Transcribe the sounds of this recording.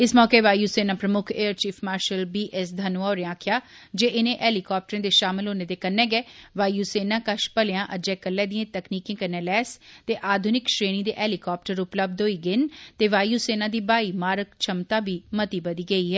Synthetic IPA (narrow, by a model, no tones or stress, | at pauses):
ɪsmɔːkeːʋaːjuːseːnãːpɾəmʊkʰeːəɾt͡ʃiːpʰmaːɾʃəlbiːʔɛsd̪ʱənuaːɾeãːkʰɪjaː | d͡ʒeːʔɪnẽːʔɛːlɪkɔːp̚ʈəɾẽːd̪eːʃaːmɪlɦoːneːd̪eːkənːɛ̃ːɡɛːʋaːjuːseːnãːkəʃpəlɪjãːʔəd͡ʒɛːkəlːɛːd̪iẽːt̪əkniːkẽːkənːɛ̃ːlɛːst̪eːʔaːd̪ʱʊnɪkʃɾeːɽ̃iːd̪ḛːʔɛːlɪkɔːp̚ʈəɾʊpləb̚d̪ɦoːiːɡɪnt̪eːʋaːjuːseːnãːd̪iːbaːiːmaːɾəkt͡ʃʰəmt̪aːbiːmət̪iːbəd̪iːɡəiːɦɛː